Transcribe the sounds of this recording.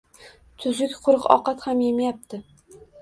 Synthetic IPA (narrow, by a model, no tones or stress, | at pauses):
t̪ʰʊzɪkʲqʰʊɾɨqɒ̰qɑt̪hamjemajap̚t̪ʰɪ